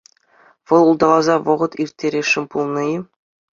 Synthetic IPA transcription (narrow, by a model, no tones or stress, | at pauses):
ʋɤ̆lˠulˠd̪ɑlˠɑzɑʋɤ̆ʁɤ̆t̪irʲtʲːeɾʲeʂːɘ̆mʲpulˠnɤ̆ji